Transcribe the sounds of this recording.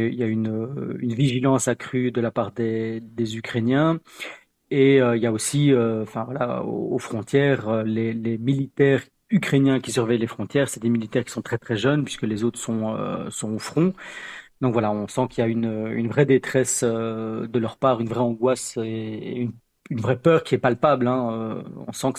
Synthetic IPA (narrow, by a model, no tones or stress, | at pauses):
iljaynøynviʒilɑ̃sakχyd̪əlapaːʁd̪ed̪ezykχenjɛ̃ | eøiljaosiøɑ̃fɛ̃vwalao̰ofχɔ̃t̪jɛːʁølelemilit̪ɛːʁ | ykχenjɛ̃kʲis̬yʁvɛjlefχɔ̃t̪jɛːʁsɛd̪emilit̪ɛːʁkʲi̥sɔ̃t̪χɛt̪χɛʒœnpɥi̥skəlezot̪χsɔ̃ø̰sɔ̃ofχɔ̃d̪ɔ̃kvwalaɔ̃sɑ̃kiljaynøy̰nvʁɛd̪et̪χɛsød̪əlœʁpaːʁynvʁɛɑ̃ɡwaseḛyn | ynvʁɛpœːʁkʲiɛpalpablɛ̃øɔ̰̃sɑ̃k